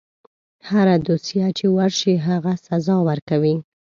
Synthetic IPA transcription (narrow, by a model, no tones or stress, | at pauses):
haɾad̪osijat͡ʃewaɾʃiɦaɣasazɑwəɾkawi